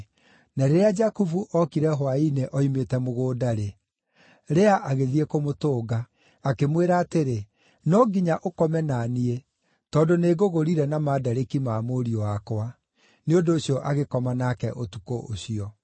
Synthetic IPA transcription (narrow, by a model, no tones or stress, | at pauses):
naɾeɾead͡ʒakufuʔɔkiɾɛɦwaineʔɔimetɛmoɣoːdaɾe | ɾeaʔaɣeðiekomotoːɡa | akemweɾaːteɾe | nɔɡiɲaʔokɔmɛnanie | tɔːndoneːɡoɣoɾiɾɛnamaːdaɾekimamoɾiɔakwa | neondoːɕjɔʔaɣekɔmanakɛʔotukoʔoɕiɔ